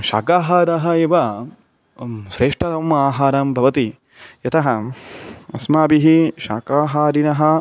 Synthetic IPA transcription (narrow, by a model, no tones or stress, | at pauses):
ʃa̰ːkaːɦaːɾɐɦɐeːʋɐ | ʃɾeːʂʈɐt̪ɐmaːɦaːɾaːmbʱɐʋɐt̪i | jɐt̪ɐɦɐ | ɐsmaːbiɦiʃa̰ːkaːɦaːɾinɐɦɐ